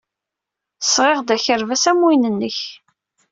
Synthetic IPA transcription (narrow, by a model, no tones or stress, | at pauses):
sʁeʁd̪æçəɾvæsæmːinənːəç